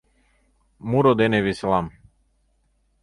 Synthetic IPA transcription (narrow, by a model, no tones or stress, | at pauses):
muɾɔd̪ɛnɛvislˠam